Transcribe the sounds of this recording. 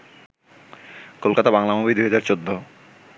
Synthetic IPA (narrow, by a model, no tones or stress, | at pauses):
kolkat̪abaŋlamobid̪uɦad͡ʑaɾt͡ɕod̪ʱːo